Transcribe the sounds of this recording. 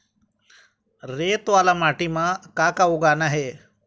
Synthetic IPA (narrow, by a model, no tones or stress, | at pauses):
ɾeːt̪ʋaːlamaːʈimãkaːkauɡaːnaɦeː